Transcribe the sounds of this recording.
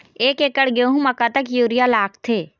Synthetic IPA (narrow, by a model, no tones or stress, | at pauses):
eːkekəɽɡeɦũmɐkat̪əkjuːɾijalaːkt̪ʰeː